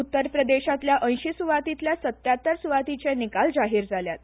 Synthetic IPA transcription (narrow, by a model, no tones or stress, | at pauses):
ut̪ːəɾpɾəd̪eɕat̪ljaʔə̃j̃ɕisuʋat̪it̪ljasət̪jat̪ːəɾsuʋat̪it͡senikald͡zaɦiːɾd͡zaljat̪